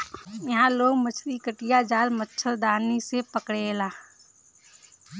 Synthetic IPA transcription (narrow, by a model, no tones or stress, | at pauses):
jɐɦãloːɡmət͡ʃʰlikəʈijad͡ʒaːlmət͡ʃʰəld̪aːnisepəkɽelaː